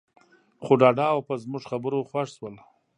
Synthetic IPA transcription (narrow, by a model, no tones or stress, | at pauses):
xoɖɑɖɑːwpəzmʊʐxabəɾoxwaʂswəl